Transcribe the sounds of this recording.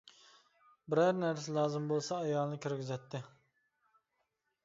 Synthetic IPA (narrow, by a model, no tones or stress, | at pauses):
bɪɾæɾnæɾsɪlˠɑːzɨmbolˠsɑːjɑlˠnɨkʲyɾɡʲizɛt̪ʰːɪ